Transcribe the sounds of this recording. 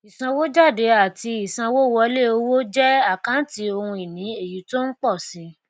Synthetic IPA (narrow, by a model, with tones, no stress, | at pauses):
i˨sã˧wo˦d͡ʒa˦˨de˨˦a˨ti˧i˨sã˧wo˦wɔ˧˦le˦o˧wo˦d͡ʒɛ˦a˦˨kã˨˦n̩˦ti˨˧o˧hũ˧i˨nĩ˨˦e˦˨ju˨˦to˦n̩˦k͡pɔ˦˨sĩ˨˧